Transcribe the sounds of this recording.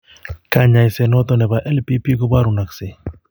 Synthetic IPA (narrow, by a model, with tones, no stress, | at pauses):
ka˨ɲa˨jsɛ˨nɔ˦t̪ɔ˨nɛ˨ba˨ʔɛ˦lpi˦pi˦ko˦ba˦ɾu˨na˨kse˨